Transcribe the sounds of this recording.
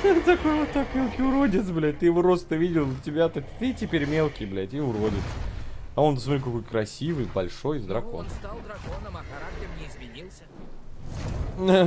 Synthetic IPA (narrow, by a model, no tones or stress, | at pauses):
ɨt̪ɐko̞jvot̪ːakmʲe̞lˠkʲɪjʊɾodʲɪt̪sblʲæt̚ʲt̪ɨjɪvoɾo̞st̪əvʲidʲɪlˠtʲːɪbʲat̪at̪ɨtʲɪpʲeɾʲmʲe̞lˠkʲɪjblʲætʲiʊɾo̞dʲɪt̪sɐo̞np̪əsmɐt̪ɾʲikɐko̞jkɾɐsʲivɨjbɐlʲʂo̞jzd̪ɾɐko̞̰nˠnʲ | zm | lˠ | a